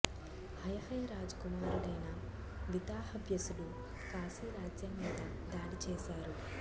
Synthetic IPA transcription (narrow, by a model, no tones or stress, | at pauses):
hɐjɐhɐjɐɾaːd͡ʒkumaːɾuɽɐjnɐ | ʋid̪aːɦɐbjɐsulu | kaːsiːɾaːd͡ʒjɐmːiːd̪ɐ | d̪aːɽit͡ʃɛːʃaːɾu